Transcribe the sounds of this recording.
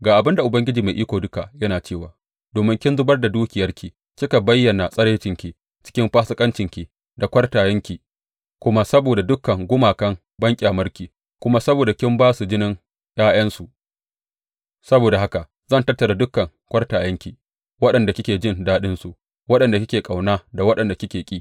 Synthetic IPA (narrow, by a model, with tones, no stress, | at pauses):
ɡaː˨ʔa˨bɪ˦nda˨ʔʊ˨bɐ˦ŋɡʲɪ˦d͡ʒiː˨ma˨ʔiː˦kʷoː˨dʊ˦ka˨ʔjɐ˦naː˨t͡ʃeː˦˨waː˨ | doː˨mɪ˦ŋkʲɪ˦nzʊ˦bɐ˦rda˨duː˦kʲɪ˨jɐ˦rkʲi˨ | kʲɪ˦ka˨bɐ˦jːɐ˨na˨sʼɐ˦ɽeː˦t͡ʃɪ˨ŋkʲi˨ | t͡ʃɪ̥˦kʲɪ˦mɸaː˦sɐ˦kʼɐ˦nt͡ʃɪ˨ŋkʲi˨ | da˨kʷɐ˦rtaː˨jɐ˦ŋkʲi˨ | kʷʊ˦ma˦sɐ˦boː˨da˨dʊ˦kːɐ˨ŋɡʷʊ˦maː˨kɐ˦ŋ | bɐ˦ŋkʲʼe˨a˨mɐ˦rkʲiː˨ | kʷʊ˦ma˦sɐ˦boː˨da˨kʲɪ˦mbaː˦su˨d͡ʒɪ˦nɪ˦ŋ | jʔaː˦jɐ˦nsu˨ | sɐ˦boː˨da˨ha˦ka˨ | zɐ˦˨ntɐ˦rtːɐ˨ɾa˨dʊ˦kːɐ˨ŋ | kʷɐ˦rtaː˨jɐ˦ŋkʲi˨ | wɐ˦ɗɐ˨nda˨kʲɪ˦kʲeː˨d͡ʒɪ˦ndaː˦ɗɪ˦nsu˨ʔ | wɐ˦ɗɐ˨nda˨kʲɪ˦kʲeː˨kʼa˨wnaː˦da˨wɐ˦ɗɐ˨nda˨kʲɪ˦kʲeː˨kʲʼiː˦